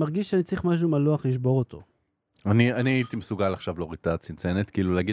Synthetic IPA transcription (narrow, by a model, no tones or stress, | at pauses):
aʁɡiʃʃeanit͡saʁiχmaʃ̬umaloaχliʃbo̞ʁot̪ʰo̰ | anianiait̪imesuɡalaχʃavloʁit̪at͡sint͡senet̪kiiluleaɡi